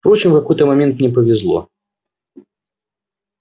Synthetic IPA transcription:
fpɾɔt͡ɕɪmfkakɔjt̪əmamʲɛnt̪mnʲɛp̬əvʲɛzlˠɔ̰

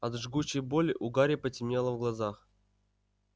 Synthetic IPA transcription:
ɐt̪ʐɡut͡ɕːɪjbolʲɪʔʊɡaɾʲɪpətʲɪmʲelˠəvɡlˠazax

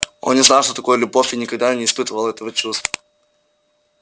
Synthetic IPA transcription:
o̞̰nnʲɪznalˠʂt̪ot̪ɐko̞jəlʲʊbo̞fʲɪnʲɪkɐɡ̚d̪anʲɪspɨt̪əvəlˠəɛt̪əvət͡ɕust̪vvə

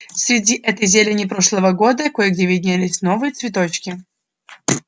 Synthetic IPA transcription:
fsʲɾʲɪdʲiʔɛt̪əjzʲelʲɪnʲɪpɾoʂlˠəvəɡod̪əkojɡdʲevʲɪdʲnʲalʲɪsʲnovɨjət̪svʲɪt̪ot͡ɕkʲɪ

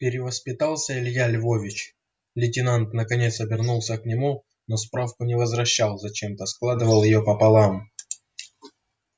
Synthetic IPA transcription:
pʲɪɾʲɪvəspʲɪt̪alˠsʲəɪlʲjalʲvovʲɪt͡ɕ | lʲɪtʲɪnant̪nəkɐnʲe̞t̪sɐbʲɪrnulˠsʲəknʲɪmu | nospɾafkʊnʲɪvəzvɾɐɕːalˠzɐt͡ɕe̞mt̪əsklˠad̪ɨvəlˠjɪjopəpɐlˠam

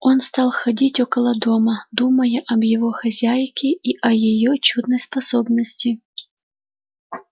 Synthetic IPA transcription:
onst̪ɑlˠxɐdʲitʲokɐlˠəd̪omɐd̪uməjɐʔɐbjɪvoxɐzʲajkʲɪʔiʔɐjɪjot͡ɕud̪nəjspɐsobnəsʲtʲɪ

